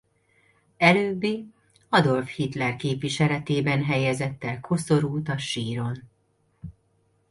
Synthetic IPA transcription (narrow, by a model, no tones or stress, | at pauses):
ɛløːbːiː | ɒd̪o̞lfhit̪lɛrkeːpʋiʃɛlɛt̪eːbɛnɦɛjɛzɛt̪ːɛlkʰo̞so̞ɾuːt̪ɒʃiːɾo̞n